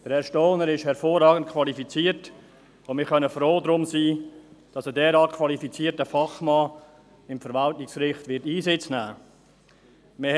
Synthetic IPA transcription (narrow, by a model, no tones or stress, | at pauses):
d̥əɾɛɾʃtoːnəɾɪʃhɛɾfoːrːɑːɡən̩t̚kʰvɑlifit͡siːət | omɪːχœnəfɾoːdɾʊmsiːd̥ɑsədɛːɾɑːkʰvɑlifit͡siːtəfɑχmɑː | ɪmfəɾvɑltnɪksɾɪχtvɪtiːsɪt͡snæː | mɪ